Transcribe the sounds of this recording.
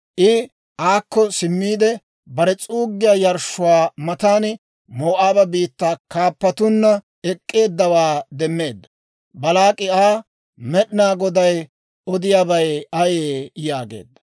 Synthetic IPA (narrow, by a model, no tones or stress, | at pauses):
ʔɪ | ʔaːkːɔsɪmːiːd̪ɛ | bɐɾɛt͡sʼuːɡːɪjaːjɐɾʃʊwaːmɐt̪aːn | moːʔaːbɐbiːt̪ːaːkaːpːɐt̪ʊnːɐ | ɛkʼːe̞ːd̪ːɐwaːd̪ɛmːe̞ːd̪ːɐ̥ | bɐlaːkʼɪaː | mɛɗɪnaːɡɔd̪ɐj | ɔd̪ɪjaːbɐjɐjeːjaːɡḛːd̪ːɐ̥